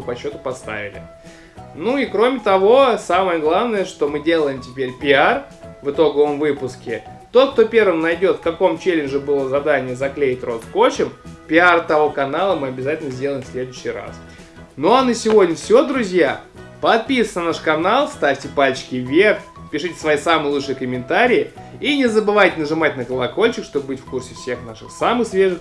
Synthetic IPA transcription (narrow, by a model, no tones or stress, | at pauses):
pɐɕːo̞t̪ʊpɐst̪a̰vʲɪ̰lʲɪ̰ | nuikɾo̞mʲɪt̪ɐvo̞saməjəɡlˠavnəjəʂt̪o̞mɨdʲe̞lˠəjɪmtʲɪpʲeɾʲpʲɪar | vɨt̪o̞ɡəvəmvɨpʊskʲɪ | t̪o̞t̪̚k̚t̪opʲe̞rvɨmnɐjdʲo̞t̪fkɐko̞mt͡ɕelʲɪnʐɨbɨlˠəzɐd̪anʲɪjəzɐklʲejɪtʲro̞t̪ko̞t͡ɕɪmpʲɪart̪ɐvo̞kɐnalˠəmɨɐbʲɪzatʲɪlʲnəzʲdʲelˠəjɪ̃msʲlʲe̞d̪ʊʏɕːɪjɾa̰s | no̞ɐnəsʲɪvo̞dʲnʲəfsʲod̪ɾʊzʲja | pɐt̪̚pʲist̪ʲnɐnaʂkɐnalˠst̪afʲtʲɪpalʲt͡ɕɪ̥kʲɪvʲerpʲɪʂɨtʲɪ̥svɐisamɨjəlˠut͡ʂʂɨjɪkəmʲɪnt̪aɾʲɪɪinʲɪzəbɨvajtʲɪnəʐɨmat̚ʲnəkəlˠɐko̞lʲt͡ɕɪkʂt̪o̞bbɨtʲfkursʲɪfsʲe̞xnaʂɨxsamɨxsvʲe̞ʐɨ